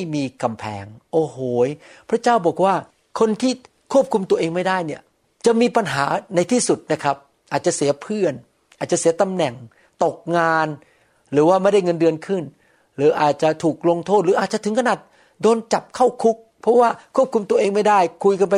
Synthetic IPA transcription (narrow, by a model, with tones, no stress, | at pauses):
jmiː˧ka˧mpʰɛ̰ː˩˦ŋʔoː˧˩hoː˨˩˦jpʰɾa˦˥t͡ɕaː˥˩wbɔː˨˩k̚waː˥˩ | kʰo˧nt̪ʰiː˥˩ | kʰu˥˩əp̚kʰu˧mt̪u˧əʔeː˧ŋma˥˩jdaː˥˩jni˥˩ɐ | t͡ɕa˨˩miː˧pa˧nɦaː˩˦na˧jt̪ʰiː˥˩su˨˩t̪̚na˦˥kʰɾa˦˥p̚ | ʔaː˨˩t̪̚t͡ɕa˨˩ʔsi˩˦ɐpʰɯ˥˩ən | ʔa˨˩t͡ɕa˨˩si˩˦ɐt̪a˧mnɛ˨˩ŋ | t̪o˨˩k̚ŋaː˧n | ɾɯː˩˦waː˥˩ma˥˩jda˥˩jŋɤ˧ndɯ˧ənkʰɯ˥˩n | ɾɯː˨˦ʔaː˨˩t̪̚t͡ɕa˨˩t̪ʰuː˨˩k̚lo˧ŋt̪ʰo˥˩t̪̚ɾɯː˨˦ʔaː˨˩t̪̚t͡ɕa˨t̪ʰɯ˩˦ŋkʰa˧naː˨˩t̪̚ | doː˧nt͡ɕa˨˩p̚kʰa˥˩wkʰu˦˥k̚pʰɔ˦˥waː˥˩kʰu˥˩p̚kʰu˧mt̪u˧ɐʔeː˧ŋma˥˩jdaː˥˩jkʰu˧jka˧npa˧